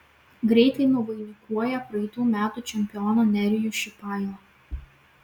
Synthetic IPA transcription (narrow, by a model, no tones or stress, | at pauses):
ɡɾʲɛɪt̪ɐɪnʊʋɐɪnʲɪkuɔjɛpɾɐɛɪt̪uːmʲæːt̪uːˑt͡ʃʲɛmʲpʲɪɔːnoːnʲɛɾʲɪjuːʃʲɪpɑˑɪɐ